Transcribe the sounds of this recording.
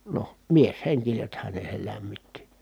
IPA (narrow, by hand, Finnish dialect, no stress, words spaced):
noh miesheŋkisethæn ne sel læmːitːi